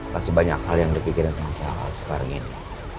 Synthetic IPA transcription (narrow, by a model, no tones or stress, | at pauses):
kasəbaɲa̰khaljaŋdəpikɪɾansamat͡ʃaa̰a̰lsə̥kaɾa̰ŋḭni